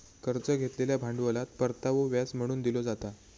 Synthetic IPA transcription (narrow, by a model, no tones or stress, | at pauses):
kəɾt͡səɡʱet̪leljabʱaɳɖʋəlat̪pəɾt̪aʋoʋjasm̤əɽ̃uːnd̪ilod͡zat̪a